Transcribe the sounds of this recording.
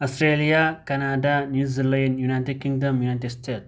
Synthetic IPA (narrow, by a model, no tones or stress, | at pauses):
ɐsʈɾeːlijakɐnaːɖanjuːzilɐjɐnjunajt̪ed̚kiŋdɐmjunajʈ̪eɖsʈeːt̪